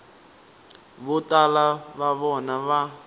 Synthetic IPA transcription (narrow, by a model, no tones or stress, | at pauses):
βɔtʼalaβaβɔnaβa